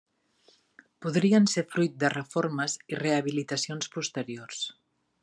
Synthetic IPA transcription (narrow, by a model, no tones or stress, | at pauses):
puðɾiənsefɾujt̪̚d̪ərəfoɾməzireəβ̞ilit̪əsionspust̪əɾiors